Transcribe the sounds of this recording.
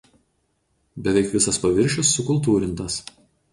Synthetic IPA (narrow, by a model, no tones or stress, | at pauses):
bʲɛʋʲɛɪkʋʲɪsɐspɐʋʲɪɾʲʃʲɪsːʊkʊlˠt̪̬uːɾʲɪnˑt̪ɐs